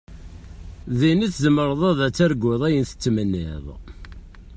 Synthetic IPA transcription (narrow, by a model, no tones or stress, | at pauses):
ðiniθzəmːəɾˤðˤæðæt͡sːæɾɡʊðˤæjənθə̥t͡sːmənːiðˤ